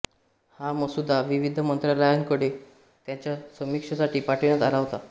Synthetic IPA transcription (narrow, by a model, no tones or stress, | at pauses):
haməsud̪ʱaʋiʋid̪ʱəmənt̪ɾjaləjənkəɽe | t̪jat͡ɕjasəmikʂəsaʈiːpaʈʰĩjat̪alaʋt̪a